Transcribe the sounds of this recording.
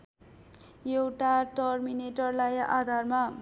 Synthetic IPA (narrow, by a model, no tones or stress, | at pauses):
jewʈaʈʌrmineʈʌrlaja̰d̪ʱarma